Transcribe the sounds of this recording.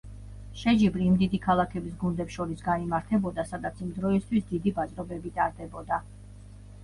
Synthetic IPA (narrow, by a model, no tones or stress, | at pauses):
ʃɛd͡ʒibɾiːmd̪id̪ikʰalˠakʰɛbisɡund̪ɛpsʃɔɾisɡanimaɾt̪ʰɛbɔd̪asad̪at̪sʰimd̪ɾɔist̪ʰwisd̪id̪ibasʼɾɔbɛbit̪ʼaɾd̪ɛbɔd̪a